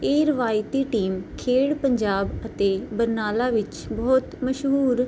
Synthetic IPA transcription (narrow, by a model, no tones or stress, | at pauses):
eːɾəʋaːɪt̪iːʈiːmkʰeːɽpəɲd͡ʒaːbət̪eːbəɾnaːlaːʋɪt͡ʃ | bɔːt̪məʃɦuːɾ